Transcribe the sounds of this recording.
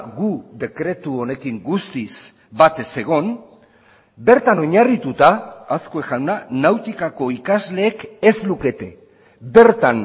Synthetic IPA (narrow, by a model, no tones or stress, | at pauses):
ɡuðe̞kɾe̞t̪uo̞ne̞kiŋɡust̪is | bat̪e̞se̞ɣ̞o̞n | be̞ɾt̪ano̞ɲarit̪ut̪aːsko̞exawnanawt̪ikako̞ikazle̞ːkezluke̞t̪e̞ | be̞ɾt̪an